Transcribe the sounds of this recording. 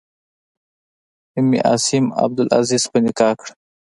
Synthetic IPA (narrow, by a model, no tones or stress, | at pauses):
ɪmḭʔɑ̰sɪma̰b̚d̪ʊlʔa̰ziz̥pənɪkɑkɽ